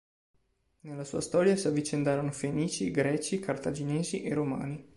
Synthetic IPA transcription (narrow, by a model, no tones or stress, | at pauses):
nelːasṵːast̪ɔːɾjasavːit͡ʃend̪aːɾonofeniːt͡ʃiɡɾɛːt͡ʃikʰart̪ad͡ʒineːziʔeroma̰ːni